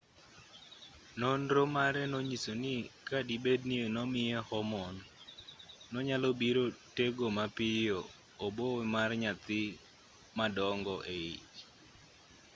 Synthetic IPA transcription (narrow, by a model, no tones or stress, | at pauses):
nonɾomaɾɛnɔɲisonɪkadibednienɔmɪjɛhɔmɔnː | ɔɲalɔbiɾoteɡomapɪjoː | bomarɲat̪ɪ | madɔŋɡɔʔeit͡ʃ